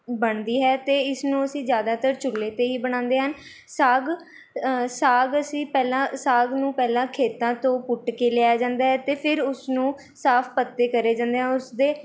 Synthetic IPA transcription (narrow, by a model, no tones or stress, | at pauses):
bəɳd̪iːɦɛːt̪eːɪsnũːəsĩːzjaːd̪aːt̪əɾt͡ʃʊlːeːt̪eːɦiːbəɽ̃ãːnd̪eːɦən | saːɡ | saːɡəsĩːpɛːlãːsaːɡnũːpɛːlãːkʰeːt̪ãːt̪õːpʊʈkeːleaːd͡ʒãːnd̪aːɦɛːt̪eːpʰɪɾʊsnũː | saːpʰpət̪ːeːkəɾeːd͡ʒãːnd̪eːɦɛ̃ːʊsd̪eː